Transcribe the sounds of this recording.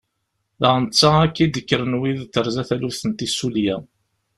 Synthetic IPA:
ðəʁənt͡sːaækːid̪əkːəɾənwiðt̪ːəɾzæθæluθənt̪isuljæ

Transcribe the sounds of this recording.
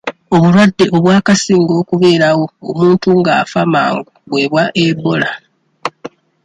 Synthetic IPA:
o̞βulwadːe̞ʔo̞βwaːkasiːŋɡo̞ːkuβe̞ːɾawo̞̰ːmuːntuŋɡaːfamaːŋɡuβwe̞ːβwaʔebo̞la

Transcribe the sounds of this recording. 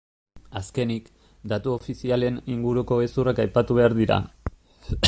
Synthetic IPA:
aske̞nik | d̪at̪uo̞fisiale̞niŋɡuɾuko̞ɣesurakajpat̪uβ̞e̞aɾðiɾa̰

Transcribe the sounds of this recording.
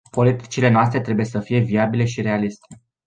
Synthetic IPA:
po̞lit̪i̥t͡ʃile̞noas̬t̪ɾe̞t̪ɾe̞buje̞səfije̞viabile̞ʃiɾe̞alist̪e̞̥

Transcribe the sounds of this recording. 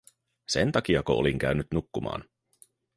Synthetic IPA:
se̞nt̪ɑk̟iɑkoo̰liŋk̟æɥnyt̪nukːumɑ̰ːn

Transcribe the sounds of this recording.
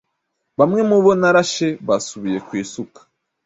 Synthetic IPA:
βamŋe̞muβo̞naɾaʃe̞βasuβije̞kwiːsukḁ

